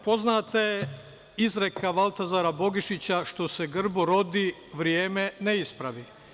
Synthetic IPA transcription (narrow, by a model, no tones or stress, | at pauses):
po̞znaːt̪aje | izɾekʰaʋalˠt̪azaɾabo̞ɡiʃit͡ɕaʃt̪o̞seɡr̩boɾo̞d̪i | ʋɾjeːmeneispɾaʋi